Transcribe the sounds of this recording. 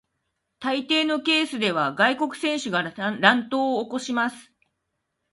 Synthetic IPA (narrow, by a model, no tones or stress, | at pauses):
t̪ait̪e̞ːno̞ke̞ːsɨd̪e̞β̞aɡaiko̞kɯ̟̥sẽ̞ɰ̃ɕɨɡaɾãnt̪o̞ːko̞ɕimasɨ̥